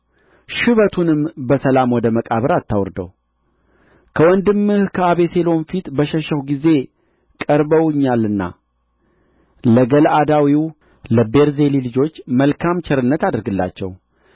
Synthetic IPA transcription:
ʃɨβət̪ʰunɨmbəsəlamwɔd̪əməkʼaβɨɾat̪ʰːawɾd̪ə̰w | kʰəwɔnd̪ɨmːɨhkʰəaβe̞selo̞nfit̪bəʃəʃəhɡize̞ | kʼəɾbəwɨɲːalɨnːa̰ | ləɡəlʔad̪awiw | ləbe̞ɾze̞lilɨd͡ʒo̞t͡ʃːməlkʰamt͡ʃʰɛɾɨnːət̪ad̪ɨɾɡɨlːa̰t͡ʃːɛ̰w

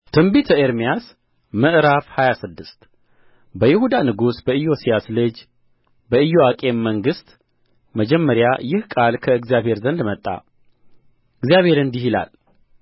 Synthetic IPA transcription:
t̪ʰɨmbit̪ʰəeɾmijas | məʔɨɾafhajasɨd̪ːɨst̪ | bəjɪhud̪anɨɡusbəɨjo̞sijaslɨd͡ʒ | bəɨjoakʼe̞mːəŋɡɨst̪ | məd͡ʒɛmːəɾjajɪhkʼalkʰəɨɡzjaβhe̞ɾzənd̪mət̪ʼːa̰ | ɨɡzijaβhe̞ɾɨnd̪iɦila̰l

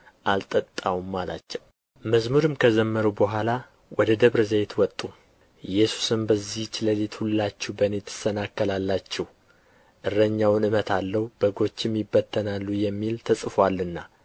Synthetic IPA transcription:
ʔalt̪ʼət̪ʼːawumːala̰t͡ʃːɛw | məzmuɾɨmkʰəzəmːəɾubəɦʷala | wʔɔd̪əd̪əβɾzejt̪wɔt̪ʼːu | jɛsu̥sɨmbəzːiht͡ʃɪləlit̪hulːat͡ʃːɛbənet̪ʰːɨ̥sənakːəlalːat͡ʃːɛh | ʔɨrəɲːawnɨmət̪ʰalːəhub̥əɡo̞t͡ʃːɪmjɪbːət̪ʰːənalːujɛmːilt̪ʰəsʼɨfwalːɨnːa

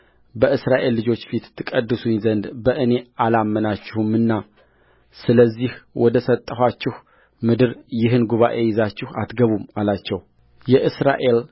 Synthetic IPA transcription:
bəʔɨsɾaʔe̞lːɨd͡ʒo̞t͡ʃːfit̪ʰːɨkʼəd̪ːɨsuɲzənd̪bəʔɨne̞alamːənat͡ʃːɪhumːɨnːa | sɨləzːihwʔɔd̪əsət̪ʼːəhat͡ʃːɪh | mɨd̪ɨɾjɪɦɨnɡuβa̰ʔe̞jɪzat͡ʃːɪha̰t̪ɡəβumalat͡ʃːɛw | jɛʔɨsɾa̰ʔe̞l

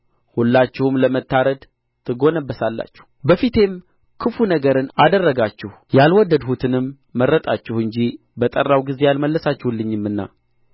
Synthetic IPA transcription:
hulːat͡ʃːɪhɨmləmət̪ːaɾəd̪ | t̪ʰɨɡo̞nəbːəsalːa̰t͡ʃːɛ̥hbəfit̪ʰe̞m | kʰɨfunəɡəɾɨnad̪ərːəɡat͡ʃːɪh | jalwɔd̪əd̪hut̪ʰɨnɨmː | əɾːət̪ʼat͡ʃːɛhɨɲd͡ʒi | bət̪ʼərːawɡize̞jalməlːəsat͡ʃːɛhulːɨɲːɨmːɨnːa̰

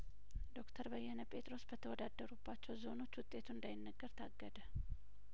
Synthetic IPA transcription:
d̪o̞kt̪ʰəɾbəjːɛnəpʼe̞t̪ʼɾo̞sbət̪ʰəwɔd̪ad̪ːəɾubːat͡ʃːɛwzo̞no̞t͡ʃːwʊt̪ʼːe̞t̪ʰuɨnd̪ajɪnːəɡːəɾt̪ʰaɡːəd̪ə

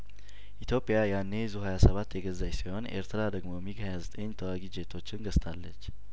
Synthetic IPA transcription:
ʔit̪ʰjo̞pʼɪjajanːe̞zuhajasəβat̪ːjɛɡəzːajsiho̞nʔḛɾt̪ʰɾad̪əɡmo̞miɡhajazət̪ʼəɲːt̪ʰəwaɡid͡ʒe̞t̪ʰo̞t͡ʃːɪnɡəst̪ʼʰalːət͡ʃː

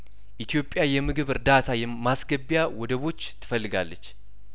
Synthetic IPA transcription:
ʔit̪ʰijo̞pʼːjajɛmɨɡɨβɨɾd̪at̪ʰajɛmasɡəbːjawɔd̪əβo̞t͡ʃːt̪ʰɨ̥fəlːɨɡa̰lːət͡ʃː

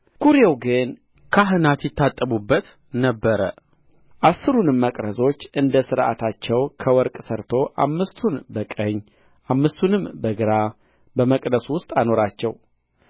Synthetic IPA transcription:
kuɾjewɡɨn | kʰaɦɨnat̪jɪt̪ʰːat̪ʼːəbubːət̪ | nəbːəɾə | ʔasːɨɾunɨmːəkʼɾəzo̞t͡ʃːʔɨnd̪əsɨɾʔa̰t̪ʰat͡ʃːɛwkʰəwɔɾkʼsəɾt̪ʰo̞ʔa̰mːɨst̪ʰunbəkʼəɲː | ʔamːɨst̪ʰunɨmbəɡɨɾa | bəməkʼd̪əswʊst̪ʼano̞ɾat͡ʃːɛ̰w

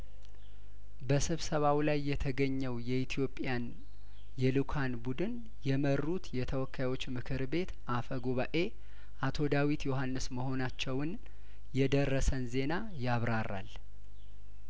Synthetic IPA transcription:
bəsɨβsəβawlajːɛt̪ʰəɡəɲːɛwjɛit̪ʰijo̞pʼjan | jɛlukʰanbud̪ɨn | jɛmərːut̪jɛt̪ʰəwɔkʰːajwo̞t͡ʃːmɨkʰɨɾbe̞t̪ʔafəɡoβaʔe̞ | ʔat̪ʰo̞d̪awit̪joɦanːɨsməɦo̞nat͡ʃːɛwɨn | jɛd̪ərːəsənze̞na | jaβɾara̰l

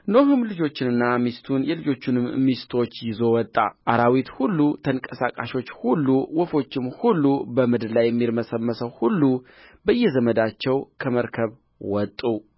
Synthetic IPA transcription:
noɦɨmlɨd͡ʒo̞t͡ʃːɪnɨnːamist̪ʰunjɛlɨd͡ʒo̞t͡ʃːunɨmːist̪ʰo̞t͡ʃːjɪzo̞wɔt̪ʼːa̰ʔaɾawit̪hulːut̪ʰəŋkʼəsakʼaʃo̞t͡ʃːhulːuwɔfo̞t͡ʃːɪmhulːubəmɨd̪ɨlajːɛmːiɾməsəmːəsəwhulːu | bəɨjːɛzəməd̪at͡ʃːɛwkʰəməɾkʰəβ | wɔt̪ʼːu

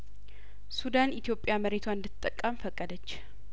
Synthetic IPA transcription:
sud̪anit̪ʰjo̞pʼjaməɾet̪ʰwaɨnd̪ɨt̪ʼːəkʼːəmfəkʼːəd̪ət͡ʃː

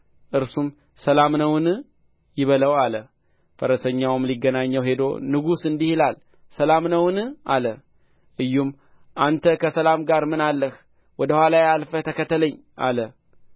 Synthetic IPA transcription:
ʔɨɾsum | səlamnəwnɨ | jɪβələwalə | fəɾəsəɲːawɨmliɡːənaɲːəwɦe̞d̪o̞̰nɨɡusɨnd̪ihilal | səlamnəwɨnɨʔalə | ʔɨjːum | ʔant̪ʰəkʰəsəlamɡaɾmɨnalːəh | wɔd̪əhʷwʷalajalfət̪ʰəkət̪ʰːələɲː | ʔa̰lə

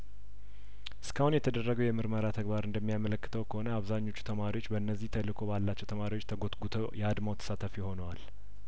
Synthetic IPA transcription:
ʔɨskʰəhunjɛt̪ʰəd̪ərːəɡəwjɛmɨɾməɾat̪ʰəɡbaɾɨnd̪əmːijamələkːɨt̪ʰəwkʰəho̞nəaβzaɲːo̞t͡ʃːu̥t̪ʰəmaɾiwo̞t͡ʃːbəɨnːəzːiht̪ʰəlːɨkʰo̞balːat͡ʃːɛwt̪ʰəmaɾiwot͡ʃːt̪ʰəɡot̪ɡut̪ʰəjɛad̪mawt̪ʰə̥sat̪ʰəfijho̞nəwal

